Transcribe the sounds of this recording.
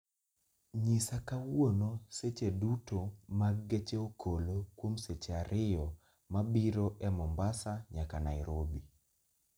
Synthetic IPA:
ɲɪsakawonoset͡ʃedutomaɡːet͡ʃeokʰolokwomset͡ʃeaɾʔɪjɔ | mabiɾoʔɛmɔmbasaɲakanaiɾobi

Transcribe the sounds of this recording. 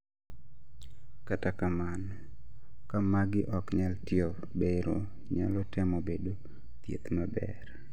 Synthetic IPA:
katakaman | kamaɡɪʔɔkɲaltjo | beɾo | ɲa̰lɔtɪmɔbedo | t̪jḛt̪mabɛ̰r

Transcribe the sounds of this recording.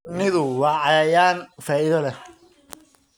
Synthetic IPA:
nɪðʊwɑːʕɑjaːjaːnfaːɪðɐlɛ

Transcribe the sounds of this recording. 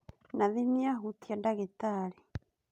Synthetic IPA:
naðimjaɦutijadaɣitali

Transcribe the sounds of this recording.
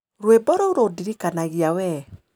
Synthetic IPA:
ɾwebɔɾɔuɾodiɾikanaɣiawɛ

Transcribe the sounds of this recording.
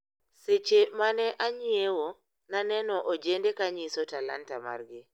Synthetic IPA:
set͡ʃemanɛʔaɲiewo | nanɛnɔʔod͡ʒendekaɲisɔtala̰ntama̰rɡɪ

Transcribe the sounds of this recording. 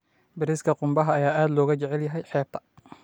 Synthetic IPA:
bɪɾɪskʰɐqʊmbɐɦɐːjaːʔaːd̪lɔːɣɐt͡ʃɛʕɛljɐɦɛjħɛːb̚t̪ʰɐ̥

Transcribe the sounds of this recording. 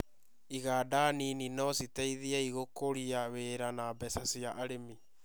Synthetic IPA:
iɣaːdanininɔsitɛiðiaiɣokoɾiaweɾanabɛsasiaʔaɾemi

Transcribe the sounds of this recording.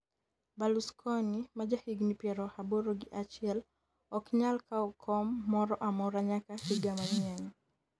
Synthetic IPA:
baluskʰɔnimad͡ʒahiɡnipjɛɾɔhaboɾoɡiʔat͡ʃiɛl | ɔkɲalkaɔkʰɔmːɔɾɔʔamɔɾaɲakahiɡamaɲiaŋ

